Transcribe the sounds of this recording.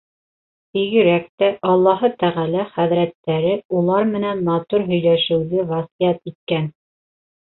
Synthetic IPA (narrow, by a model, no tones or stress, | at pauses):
t̪iɡɘ̆ɾæk̚t̪æʔɑlˠːɑɦɤt̪æʁælæχæðɾæt̪ːæɾɘulˠɑɾmɘ̆nænmɑt̪uɾɦɵ̆jlæʃɘ̆wðɘvɑsijɑt̪it̪̚kæn